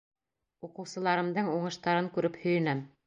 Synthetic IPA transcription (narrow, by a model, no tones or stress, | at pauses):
uqɤ̆wsɤ̆lˠɑɾɤ̆md̪ɤɴuɴɤ̆ʃt̪ɑɾɤŋkʉɾɘphɵ̆jɘ̆næm